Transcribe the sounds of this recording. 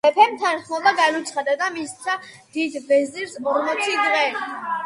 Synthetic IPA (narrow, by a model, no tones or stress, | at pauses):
ɛpʰɛmt̪ʰanχmɔbaɡanut̪sʰχad̪ad̪amissa | d̪̥id̪vɛziɾsmɔɾmɔt̪sʰiɡʁɛl